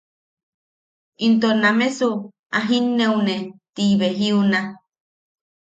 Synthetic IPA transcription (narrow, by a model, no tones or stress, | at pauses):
int̪onãmẽsu | aɦinːeunet̪iβeɦiuna